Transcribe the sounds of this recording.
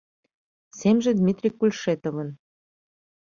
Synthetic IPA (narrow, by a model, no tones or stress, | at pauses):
semʒĕd̪mʲit̪rʲikːulʲʃet̪oβə̆n